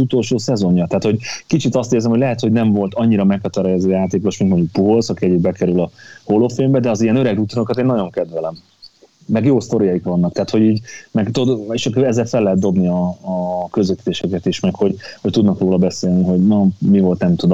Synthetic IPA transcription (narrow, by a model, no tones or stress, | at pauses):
ut̪o̞lʃoːsɛzo̞ɲːɒt̪aːt̪ho̞ɟkit͡ʃit̪ɒst̪eːrzɛmho̞ɟlɛɦɛt̪ho̞ɟnɛɱvo̞lt̪ɒɲːiɾɒmɛkhɒt̪ɒɾjazøːjaːt̪eːko̞ʃmint̪mo̞ɲɟuk̚puɦo̞lsɒkiɛɟibbɛkɛɾylɒho̞lofeːmbɛd̪ɛɒzijɛnø̞ɾɛɡut̪onokɒt̪eːnːɒɟo̞ŋkɛd̪vɛlɛmː | ɛɡjoːst̪o̞ɾijɒikʋɒnːɒk̚t̪æɦːt̪ho̞ɟiːɟmɛɡt̪od̪eʃkɛzːɛlfɛlːɛɦɛd̪d̪o̞bniɒː | køzøt̪it̪eːʃɛkɛt̪iʃmɛkho̞ɟho̞c̚t̪ud̪nɒkroːlɒbɛseːlniɦo̞ɟnomivo̞lt̪nɛmt̪ud̪o